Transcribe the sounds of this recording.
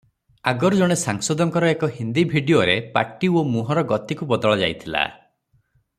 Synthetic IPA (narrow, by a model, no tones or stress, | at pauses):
aɡɔɾɔd͡ʒɔɽ̃esaŋsɔd̪ɔŋkɔɾɔekɔɦind̪ibʱiɖioɾepa̰ʈiomuɦɔɾɔɡɔt̪ikubɔd̪ɔɭɔd͡ʒa̰jt̪ʰila̰